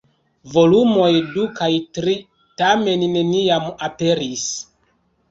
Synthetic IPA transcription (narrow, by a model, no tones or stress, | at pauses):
vo̞lumo̞jdukajtɾi | tame̞nːe̞niamape̞ɾis